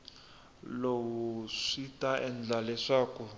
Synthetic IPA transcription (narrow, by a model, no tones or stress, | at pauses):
lowuʂitaʔɛnd͡ɮalɛʂaːku